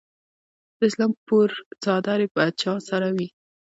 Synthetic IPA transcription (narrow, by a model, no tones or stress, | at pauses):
d̪̥əɪslɑmpuɾt͡sɑd̪ɑɾepət͡ʃɑsaɾawi